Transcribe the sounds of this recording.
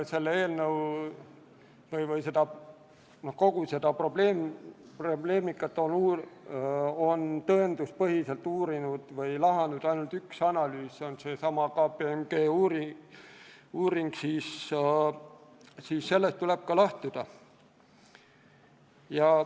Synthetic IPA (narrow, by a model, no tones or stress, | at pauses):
se̞lːee̞ːlnəw | vɤjvɯjse̞d̪ɑ | nohko̞ɡ̥use̞d̪̥ɑpro̞b̥leːm | prob̥le̞ːmikːˑɑt̪ːˑo̞nuː | o̞nt̪ɤend̪̥uspɤɦise̞lt̪ːuːɾinud̪̥vɤjlɑɦɑnud̪̥ɑjnult̪yksɑnɑlyːso̞nse̞sɑmɑkɑpeemɡ̥e̞ːuːɾi | uːɾiŋɡ̥siːs | siːsse̞lːest̪ule̞b̥̚kɑlɑht̪ud̪̥ɑ | jɑ